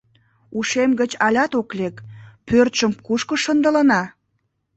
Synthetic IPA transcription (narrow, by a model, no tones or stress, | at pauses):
uʃemɡət͡ɕɑlʲɑt̪oklekpørt̪ʃəmkuʃkəʃənd̪ələ̆nɑ